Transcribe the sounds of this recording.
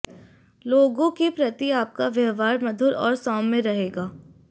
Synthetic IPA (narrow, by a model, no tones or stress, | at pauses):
loːɡõkipɾɐt̪iaːp̚kaʋjɐɦʋaːɾmɐd̪ʱʊɾɔːɾsɔːmːẽɾɐɦeːɡaː